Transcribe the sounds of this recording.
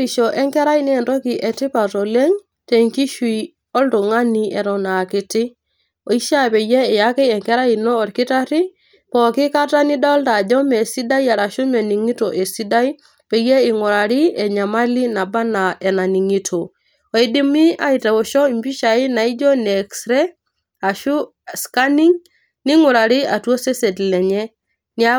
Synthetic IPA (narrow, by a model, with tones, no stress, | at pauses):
i˨ʃɔ˨ʔɛ˦ŋkɛ˦ɾa˦i˦ni˦ɛ˨ndɔ˦ki˨ʔɛ˨ti˦pa˨tɔ˨le˦ŋ | te˨ŋki˦ʃwi˨ | ɔ˦ltu˨ŋa˦ni˨ɛ˨ɾɔ˨na˨ki˨ti˦ | o˨i˦ʃa˦˨pɛ˨jɛ˦ɛ˨ja˦ke˦ɛ˨ŋkɛ˦ɾa˦i˨nɔː˦˨ɾki˦ta˦ɾi˦ | pɔ˨ki˦ka˦ta˦ni˦da˦ɔ˦lta˨d͡ʒɔ˦mɛ˨si˦da˦ja˨ɾa˨ʃu˦mɛ˨ni˨ŋi˦tɔ˨ʔe˨si˦da˦i˦ | pɛ˨je˦i˨ŋɔ˨ɾa˨ɾi˦ɛ˨ɲa˨ma˦li˦na˨ba˦na˨ʔɛ˨na˨ni˨ŋi˦tʰo˨ | o˨i˦di˦mi˦a̰˦i˨ta˨o˨ʃɔ˦i˨mbi˦ʃa˨i˦na˨i˦d͡ʒɔ˦ne˨ksɾɛ˦ | a˨ʃu˦ | ska˦ni˦ŋ | ni˦ŋu˨ɾa˨ɾi˦a˨to˦se˦se˨tlɛ˨ɲɛ˦ | ni˦a